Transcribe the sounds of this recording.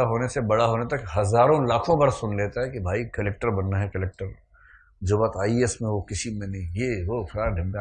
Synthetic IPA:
aɦoːnesebɐɽ̤aɦoːnet̪ɐkɦɐzaːɾõlaːkʰõbɐɾsʊnleːt̪aɦɛkibʱaːikɐlɛːk̚ʈəɾbɐnːaɦɛkɐlɛːk̚ʈəɾ | d͡ʒoːbat̪aːiesmẽʋokɪsimẽnɐɦĩjeʋokʰaɖʱɪ̃mɡa

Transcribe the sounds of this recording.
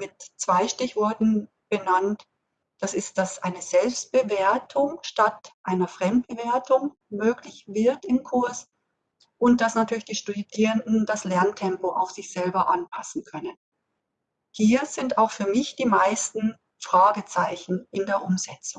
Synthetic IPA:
mɪtt͡sv̥aɪʃtɪçv̥ɔɐtn̩ | b̥ənant | d̥asɪst̚d̥asʔa̰ɪnəzɛlpst̚b̥əveːɐtʰʊŋʃtatʔaɪnɐfʁ̥ɛmt̚b̥əveːɐtʊŋ | møːklɪçvɪɐtɪmkʰʊɐs | ʔʊnt̚d̥asnatʰyːɐlɪçd̥iːʃtudiːʁəndn̩d̥aslɛɐntʰɛmpoʔa̰ʊxz̥ɪçz̥ɛlbɐʔa̰npʰasn̩kʰœnən | hiːɐz̥ɪntaʊxfyːɐmɪçd̥iːmaɪstn̩ | fʁ̥aːɡət͡saɪçn̩ʔɪndeːɐʔʊmzɛt͡sʊŋ

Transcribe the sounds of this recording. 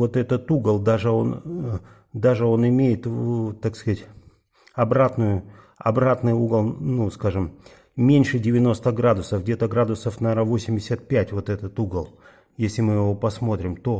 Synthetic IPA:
vo̞t̪ɛt̪ət̪uɡəlˠd̪aʐɨo̞n | d̪aʐɨo̞nɪmʲejɪt̪t̪akskzatʲ | ɐbɾat̪nʊjʊ | ɐ̰bɾat̪nɨjuɡəlˠnuskaʐɨm | mʲenʲʂɨdʲɪvʲɪno̞st̪əɡɾad̪ʊsəfɡdʲe̞t̪əɡɾad̪ʊsəfnaɾavo̞sʲɪmʲdʲɪsʲat̪̚pʲætʲvo̞t̪ɛt̪ət̪uɡəlˠ | jesʲlʲɪmɨjɪvo̞pɐsmo̞t̪ɾʲɪmt̪o̞

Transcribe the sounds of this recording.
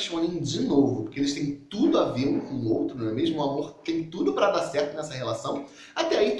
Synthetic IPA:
ʃɐ̃w̃nẽd͡ʒɪnovʊpoɾkeelɪst̪ẽj̃t̪ud̪ʊavelʊkõowt̪ɾʊnɛmeʒmʊamoɾt̪ẽj̃t̪ud̪ʊpɾɐd̪asɛɾt̪ʊnɛsɐhelasɐ̃w̃ | at̪ɛai

